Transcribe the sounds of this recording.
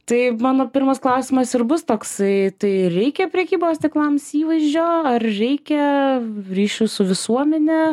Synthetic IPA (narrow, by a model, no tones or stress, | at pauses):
t̪ɐɪmɑːnoːpʲɪɾrmɐsklˠɐʊsʲɪmɐsɪrbʊst̪oːksɐɪt̪ɐɪɾʲɛɪkʲɛpʲɾʲɛkʲiːboːst̪ʲɪklˠɐmsiːʋɐɪʒʲd͡ʒʲoːɐrɾʲɛɪkʲɛ | ɾʲiːʃʲʊsʊʋʲɪsuɔmʲɛnʲɛ